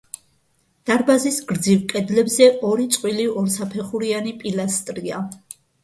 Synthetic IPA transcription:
d̪̥aɾbazisɡɾd̪zivkʼɛd̪lɛbzɛʔɔɾit̪sʼqʼwiliɔɾsapʰɛχuɾianipʼilast̪ʼɾia

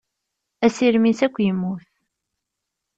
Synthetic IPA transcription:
æsiɾmisækʷːjəmːuθ

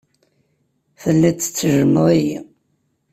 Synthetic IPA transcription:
fəlːit͡sːə̥t͡sːəʒəmːəʁæji

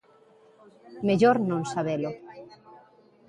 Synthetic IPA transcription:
meʎoɾnõnsaβelo

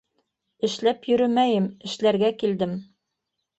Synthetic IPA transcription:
ɘ̆ʃlæpjɵ̆ɾɘmæjɘmɘ̆ʃlæɾɡækild̪ɘm

